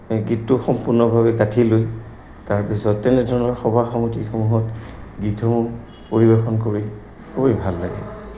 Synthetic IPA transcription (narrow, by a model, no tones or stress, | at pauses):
ɡitːʊxɔmpuɹnɔbʱaβɛkatʰiloj | taɹpisɔtːɛnɛdʱɔɹɔnɔɹxɔbʱaxamotixɔmuɦɔtɡitʰɔ | poɹibɛxɔnkoɹi | kobejbʱalːaɡɛ̰